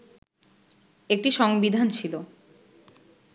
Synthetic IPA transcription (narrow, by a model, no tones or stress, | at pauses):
ek̚ʈiʃɔŋbid̪ʱant͡ɕʰilo